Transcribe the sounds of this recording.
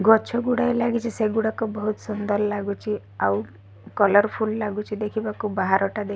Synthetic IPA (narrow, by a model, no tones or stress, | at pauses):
ɡɔt͡ʃʰɔɡuɽajlaɡit͡ʃʰiseɡuɽakɔbɔɦut̪sund̪ɔllaɡut͡ʃʰi | aw | kɔlɔɾpʰullaɡut͡ʃʰid̪ekʰibakubaɦaɾɔʈad̪e